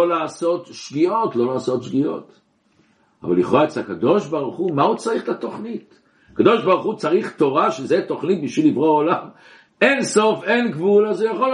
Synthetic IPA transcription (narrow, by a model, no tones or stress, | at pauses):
olaːso̞t̪ʃɡio̞tlo̞laːso̞t̪ʃɡio̞̰t | a̰va̰lːiχʁaet͡sakad̪o̞ʃbaʁuχumaut͡saʁiχlato̞χnit | akad̪o̞ʃbaʁuχut͡saʁiχto̞ʁaʃezet̪o̞χnit̪̚biʃvilːivʁoaolam | e̞nso̞fenɡvulazejaχo̞l